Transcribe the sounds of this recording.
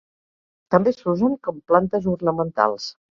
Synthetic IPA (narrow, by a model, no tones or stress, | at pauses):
t̪əmbesuzənkɔmplant̪əzurnəmənt̪a̰lˠs